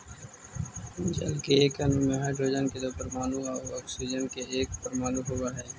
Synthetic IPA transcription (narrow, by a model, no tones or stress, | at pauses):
ʊd͡ʒə̰lkeːkɐnũːmẽɦaːɖɾoːd͡ʒənked̪oːpəɾmaːnũːaːɔːksid͡ʒənkeeːk̚pəɾmaːnũɦowaɦɛː